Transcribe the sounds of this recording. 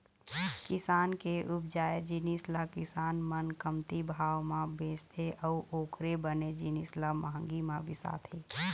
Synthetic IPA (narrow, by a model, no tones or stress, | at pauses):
kɪsaːnkeʔʊpd͡ʒaːjed͡ʒinislakɪsaːnmənkəmt̪ibʱaːwmãbeːst̪ʰeʔɔːoːkʰɾebəned͡ʒinislaməɦə̃ŋɡimãbɪsa̰ːt̪ʰeː